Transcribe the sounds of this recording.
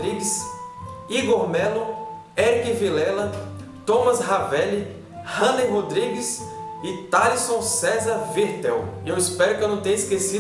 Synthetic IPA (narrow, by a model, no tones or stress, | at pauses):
ɾiɡɪs | iɡoɾmɛlʊ | ɛɾikivilɛlɐt̪õmɐsɦavɛli | hɐ̃lẽjɦod̪ɾiɡɪsɪt̪aɾisõw̃sɛzɐɾviɾt̪ɛwiewispɛɾʊkɪewnɐ̃w̃t̪ẽɲɐiskesi